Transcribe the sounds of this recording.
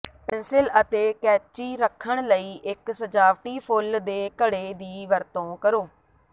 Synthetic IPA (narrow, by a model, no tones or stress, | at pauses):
pɪnsɪlət̪eːkɛːt͡ʃiːɾəkʰːəɳ̃ləiːʔɪksəd͡ʒaːʋʈiːpʰʊld̪eːkəɽeːd̪iːʋəɾt̪õːkəɾoː